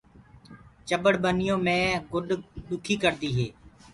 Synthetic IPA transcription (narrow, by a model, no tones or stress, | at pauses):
t͡ʃəbəɽbənɪjõːmẽːɡʊɗɗʊkʰiːkəɾd̪iːɦeː